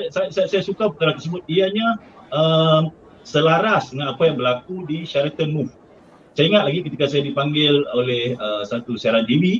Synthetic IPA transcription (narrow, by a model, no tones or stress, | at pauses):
asajasajasajasukapəkaɾat̪ərsəbʊt̪̚iaɲã | əm | səlaɾasdəŋanapajaŋbəɾlakudiʃaɾat̪ənmuf | saiŋat̪̚laɡikət̪ikasajadipaŋɡɪlolehəsat̪usiaɾand̪iwi